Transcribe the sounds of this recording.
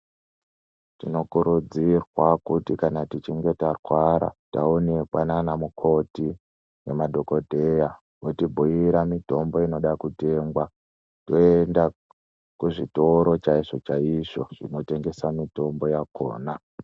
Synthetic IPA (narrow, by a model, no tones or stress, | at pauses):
tino̞kuɾud͡zirwakutikanatit͡ʃiŋɡe̞tarwaɾa̰ta̰onekwananamukʰo̞ti | nemadʱo̞ko̞dʱe̞ja | wotibʱujiɾamito̞mbo̞ino̞ɗakute̞ːmɡwa | to̞enda | kuʐito̞ɾo̞t͡ʃaiʐot͡ʃaiʐoʐ̥ino̞te̞ŋɡe̞samito̞mbo̞jakoːna